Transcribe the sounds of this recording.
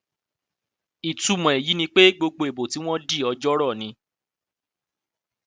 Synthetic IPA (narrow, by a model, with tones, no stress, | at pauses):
i˨tu˨mɔ̃˨e˨ji˨˦nĩ˧k͡pe˦ɡ͡bo˧ɡ͡bo˧e˨bo˨ti˨˦w̃ɔ̃˦di˦˨ɔ˧d͡ʒɔ˦ɾɔ˦˨nĩ˧